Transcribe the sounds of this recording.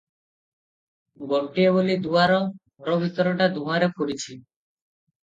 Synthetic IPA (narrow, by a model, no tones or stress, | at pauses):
ɡoɳʈieβolid̪uaɾɔ | ɾɔbʱit̪ɔɾɔʈad̪uwaɾepoɾit͡ʃʰi